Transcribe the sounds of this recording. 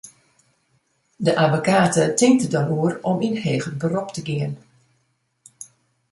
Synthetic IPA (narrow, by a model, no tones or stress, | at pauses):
dəʔavokaːtətɪŋk̚tədɔnuərɔminɦeːɣəbərɔptəɡɪən